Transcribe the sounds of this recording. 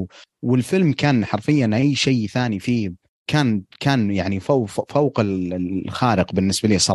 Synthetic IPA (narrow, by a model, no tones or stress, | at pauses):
wɪlfɪlmkaːnħɑɾfɪjːanʔajːʃajθaːnifiː | kʰaːnkaːnjaʕnifafowqɪlxaːɾɪqbɪnːɪsbaliːsˤɑ